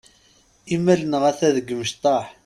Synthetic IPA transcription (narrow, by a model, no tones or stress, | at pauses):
imːælənəʁæθæðəɡməʃt̪ˤɑħ